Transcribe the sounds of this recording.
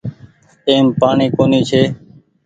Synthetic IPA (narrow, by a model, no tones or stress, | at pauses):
eːmpaːɳiːkoːniːt͡ʃʰeː